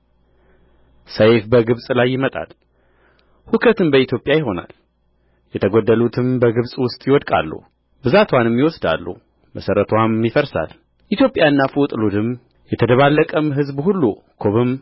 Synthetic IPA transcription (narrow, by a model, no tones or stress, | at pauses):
səjfbəɡɨβsʼlajːɪmət̪ʼa̰l | hukʰət̪ɨnbəit̪ʰjo̞pʼjajɪɦo̞na̰l | jɛt̪ʰəɡod̪ːəlut̪ʰɨmbəɡɨβsʼwʊst̪ʼjɪwɔd̪kʼa̰lːṵhu | bɨzat̪ʰwanɨmːjiwɔsd̪a̰lːṵh | məsəɾət̪ʰwamːifəɾsa̰l | ʔit̪jo̞pʼjaɨnːafut̪ʼlud̪ɨm | jɛt̪ʰəd̪əβalːəkʼəmɦɨzbhulːu | kʰoβɨm